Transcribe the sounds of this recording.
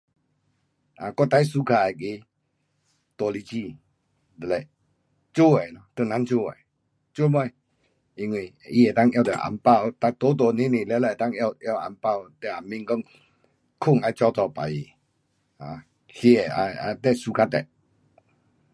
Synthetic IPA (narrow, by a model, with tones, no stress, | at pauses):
a˨kɔ˥˧˦t̪a˧jsu˧˦kʰa˧˩ɛ˨ke˧˦ | t̪ɔ˨˩li˧t͡ɕi˧˨ | d̪ə˨lɛ˧˨ | t͡ɕu˦˨ɛ˨nɔ˧t̪ə˧˨nã˧˦nt͡ɕo˥˧˨ɛ̰˨ | t͡ɕu˦m˦ã˧˩ | i˧ŋwi˧˨ | i˧e˨t̪a˥˨ŋja˧t̪ɛ̰˨ʔa̰˨mpa˥˧˨wt̪a˧t̪o˨˦t̪ɔ˨nĩ˦nĩ˨lɛ˧lɛ˧˨t̪a˥˧ŋa˧ja˧˨ʔa̰˨˧˩mpa˥˨wt̪ɛ˧˨a˨˩mĩ˧˨ŋkɔ˦ŋ | kʰʊ˥˧˨ŋa˧jt͡ɕɔ˧˨t͡sɔ˧˨pa˨ji˨ | a˨ | hi˧ɛ˨˩a̰˧a̰˧t̪ɛ˧˨su˧˦kʰa˧t̪ɛ̰˨